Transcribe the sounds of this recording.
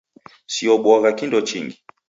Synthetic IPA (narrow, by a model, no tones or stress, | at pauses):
siɔɓwɔɣakindɔt͡ʃḭŋɡi